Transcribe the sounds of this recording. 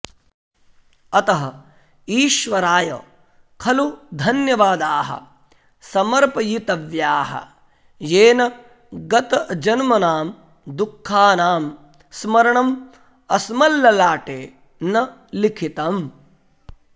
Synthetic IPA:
ɐt̪ɐɦɐ | iːʃʋɐɾaːjɐ̰ | kʰɐlud̪ʱɐnjɐʋaːd̪aːɦɐ̰ | sɐmɐɾpɐjit̪ɐʋjaːɦɐ̰ | jeːnɐ | ɡɐt̪ɐd͡ʒɐnmɐnaːm | d̪ukʰːaːnaːm | smɐɾɐɳɐm | ɐsmɐlːɐlaːʈeː | nɐ | likʰit̪ɐm

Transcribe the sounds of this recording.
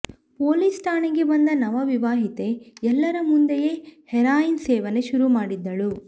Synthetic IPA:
poːlisʈaːɳiɡe̞bɐnd̪ɐnɐʋɐʋiʋaːɦit̪e̞ɛlːɐɾɐmund̪ejeːhɛɾaːjinsɛːʋɐne̞ʃuɾumaːɽid̪ːɐɭu

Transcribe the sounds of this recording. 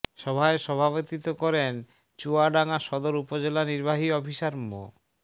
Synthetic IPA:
ʃɔbʱaeʃɔbʱabot̪it̪okɔɾen | t͡ɕuaɖaŋaʃɔd̪oɾupod͡ʑelaniɾbaɦiɔbʱiʃaɾmo̰

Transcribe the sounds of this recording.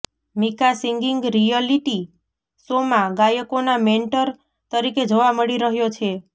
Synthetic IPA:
mikasiŋɡiŋɡɾijaliʈi | somãɡajəkonameɳʈəɾ | t̪əɾiked͡ʒoʋaməɭiɾəɦjot͡ʃʰe

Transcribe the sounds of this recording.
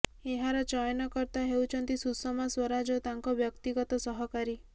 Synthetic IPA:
eɦaɾɔt͡ʃɔjnɔkɔɾt̪aɦewt͡ʃʰɔnt̪isusɔmaswɔɾad͡ʒɔt̪aŋkɔbjɔkt̪iɡɔt̪ɔsɔɦɔkaɾi

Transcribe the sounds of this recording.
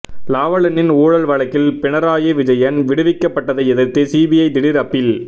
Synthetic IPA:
laːʋɐɭɐnɪnuːɻɐlʋɐɭɐkːɪlpɪɳɐɾaːjeʋɪd͡ʒɐjɐnʋɪɽɯʋɪkːɐpːɐʈːɐðɐɪɛðɪɾt̪ɯsiːbɪjɐɪd̪ɪɽɪɾɐpːɪl

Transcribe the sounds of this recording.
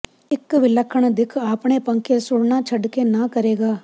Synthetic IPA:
ɪkːʋɪləkʰːəɳ̃d̪ɪkʰaːpɳ̃epɐ̃ŋkesʊɽɳat͡ʃʰɐɖkenɐkɐɾeːɡaː

